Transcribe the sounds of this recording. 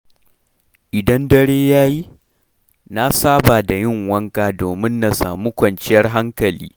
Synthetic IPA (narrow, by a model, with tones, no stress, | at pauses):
ʔɪ˨dɐ˦ndɐ˦ɽeː˦jaː˦ji˦ | na˦saː˦baː˨da˨jɪ˦˨ŋwɐ˦ŋkaː˨doː˨mɪ˦nːa˨sa̰ː˨muː˦kʷɐ˨nt͡ʃɪ˦jɐ˦rɦa˦ŋkɐ˨lḭː˦